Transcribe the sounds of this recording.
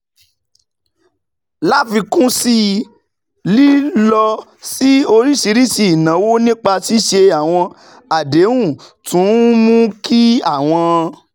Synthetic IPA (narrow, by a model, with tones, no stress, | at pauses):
la˦fi˧kũ˦si˦˨ | li˦lɔ˧si˦o˧ɾi˦si˧˦ɾi˦si˦˨nã˨˦wo˦nĩ˦k͡pa˧ti˦ʃe˧a˦˨w̃ɔ̃˧ | a˨de˨˦ũ˦˨tũ˨˦mũ˦ki˦a˦˨w̃ɔ̃˧